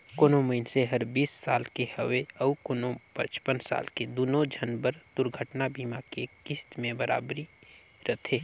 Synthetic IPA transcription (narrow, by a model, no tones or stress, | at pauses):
koːnoməɪnseɦəɾbiːsːaːlkehəʋeɐukoːnopə̰̃t͡ʃpənsa̰ːlked̪uːnõd͡ʒʱənbəɾd̪̥ʊɾɡʱəʈnabiːmakekɪst̪mẽbəɾa̰ːbɾi | ɾət̪ʰeː